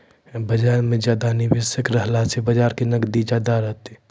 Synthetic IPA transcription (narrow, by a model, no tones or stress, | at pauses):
bəd͡ʒaːɾmẽd͡ʒjaːd̪anɪʋesəkɾəɦlasebəd͡ʒaːɾkinɐkd̪id͡ʒjaːd̪aɾɐɦt̪e